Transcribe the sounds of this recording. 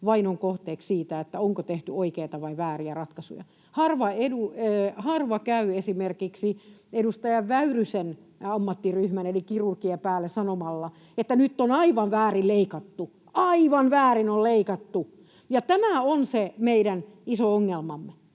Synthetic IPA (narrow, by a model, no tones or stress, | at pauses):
ʋɑinoŋkoht̪eːkssiːt̪æet̪ːæoŋkot̪eht̪yoikeit̪ɑʋɑiʋæːriærɑt̪kɑsṵjɑ̰ | hɑrʋɑeduøhɑrʋɑkæyesimerkiksiedust̪ɑjɑʋʋæyrysen | ɑmːɑt̪ːiryhmænelikirurkiepæːlːesɑnomɑlːɑ | et̪ːænyt̪ːonɑiʋɑʋʋæːrilleikɑt̪ːu | ɑiʋɑnʋæːrinolleikɑt̪ːu | jɑt̪æmæonsemeidænisooŋːelmɑmːe